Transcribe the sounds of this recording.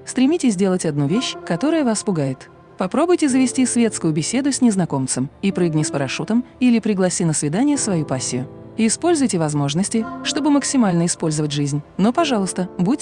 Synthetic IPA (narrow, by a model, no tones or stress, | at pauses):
st̪ɾʲɪmʲitʲɪsʲdʲe̞lˠətʲɐd̪nuvʲeɕkɐt̪o̞ɾəjəvaspʊɡajɪt̪ | pɐpɾo̞bʊjtʲɪzəvʲɪsʲtʲisvʲe̞t̪skʊjʊbʲɪsʲe̞d̪ʊsʲnʲɪznɐko̞mt̪sɨmipɾɨɡnʲɪspəɾɐʂut̪əmilʲɪpɾʲɪɡlˠɐsʲinəsvʲɪd̪anʲɪjəsvɐjupasʲːɪjʊ̰ | iːspo̞lʲzʊjtʲɪvɐzmo̞ʐnəsʲtʲɪʂt̪o̞bɨməksʲɪmalʲnəɪspo̞lʲzəvətʲʐɨzʲnʲnopɐʐɑlˠʊst̪əbu